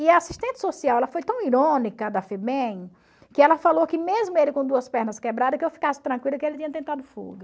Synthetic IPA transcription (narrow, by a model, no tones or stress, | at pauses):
ɪɐasi̥ʃt̪ẽnt̪ɪ̥sosiawɛlɐfojt̪ɐ̃w̃iɾõnikɐd̪ɐfebẽj | kɪɛlɐfalowkɪmezmʊelɪkõd̪uɐspɛɾnɐskebɾad̪ɐkɪewfi̥kasɪ̥t̪ɾɐ̃ŋkwilɐkɪelɪt̪ĩɲɐt̪̬ẽnt̪ad̪ʊfṵɡɐ